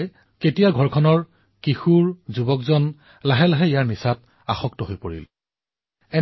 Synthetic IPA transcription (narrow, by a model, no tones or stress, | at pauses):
ketijaɡʱɔɹkʰɔnɔɹ | kixuɹzubɔkzɔn | laɦɛlaɦɛijaɹnisat̚ | a̰xɔk̚tɔɦojpoɹḭl | ɛ